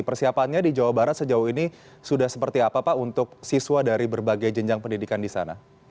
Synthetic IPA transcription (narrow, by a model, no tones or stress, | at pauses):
pərsiapanɲadid͡ʒawabaɾat̪səd͡ʒauɦini | sudahsəpərt̪iapapaunt̪ʊk̚siswadaɾibərbaɡajd͡ʒəɲd͡ʒaŋpəndidikandisa̰na̰